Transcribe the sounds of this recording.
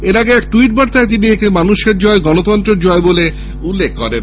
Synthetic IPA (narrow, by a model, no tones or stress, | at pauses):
eɾaɡeɛkʈuiʈ̚baɾt̪aet̪̬iniekʰemanuʃeɾd͡ʑɔeɡɔnot̪ɔnt̪ɾeɾd͡ʑɔebole | ulːekʰkoɾen